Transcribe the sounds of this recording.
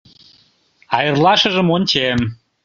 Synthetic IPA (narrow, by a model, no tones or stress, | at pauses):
ɑjərlˠɑʃə̆ʒə̆mont͡ɕem